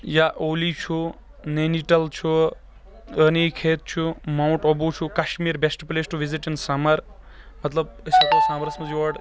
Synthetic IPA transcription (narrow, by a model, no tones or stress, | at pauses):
jaʔolit͡ʃʰu | neniʈɐlt͡ʃʰu | ənikʰet̪̚t͡ʃʰumaw̃ɳʈobut͡ʃʰukaʃmiɾbesʈplesʈuʋiziʈinsamɐɾ | mɐt̪lɐbəsikosamɐɾsmɐd͡ʒiʋɐɖ